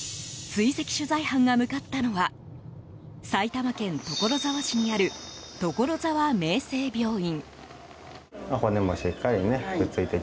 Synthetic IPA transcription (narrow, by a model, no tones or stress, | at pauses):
t͡sɨise̞kʲi̥ɕɨzaihãŋɡamɯ̟kat̪ːano̞βa | sait̪amakẽ̞nt̪o̞ko̞ɾo̞zaβaɕiɲ̟iaɾɯ̟t̪o̞ko̞ɾo̞zaβame̞ːse̞ːbʲo̞ːĩŋ | akonemoɕekːaineɯkɯ̟t͡sɨit̪e